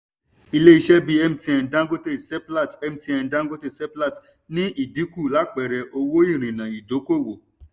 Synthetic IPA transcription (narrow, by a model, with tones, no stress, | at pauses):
i˧le˦i˧ʃɛ˦bi˦ɛ˦˨m˦ti˧ɛ˧n˨dã˦ɡo˦te˦˨sɛ˦pla˦˨tɛ˦m̩ti˧ɛ˧n˨dã˦ɡo˦te˦˨sɛ˦pla˦˨t | nĩ˦i˨di˨˦ku˦˨la˨˦k͡pɛ˨ɾɛ˨ʔo˧wo˦i˦˨ɾ̃ĩ˨nã˨i˨do˨˦ko˦˨wo˨